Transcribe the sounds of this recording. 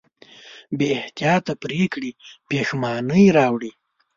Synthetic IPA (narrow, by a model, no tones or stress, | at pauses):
beɪht̪ijɑt̪apɾekɽipexmɑnəjɾɑwɽi